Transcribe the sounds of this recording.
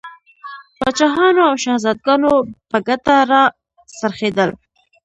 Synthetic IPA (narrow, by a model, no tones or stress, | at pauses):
bɑt͡ʃɑɦɑnoawʃahzɑd̪̚ɡɑnopəɡat̪aɾɑ | saɾxed̪əl